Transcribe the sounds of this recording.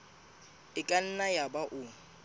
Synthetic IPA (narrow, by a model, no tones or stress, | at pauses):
ɪkʼan̩najabaʔʊ